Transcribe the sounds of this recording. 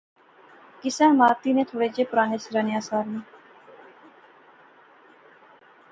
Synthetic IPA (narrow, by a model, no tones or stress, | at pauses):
kɪsɛ̃ːmaːt̪iːnẽːt̪ʰoːɽeːd͡ʒeːpʊɾaːneːsɾaːneaːsaːɾneː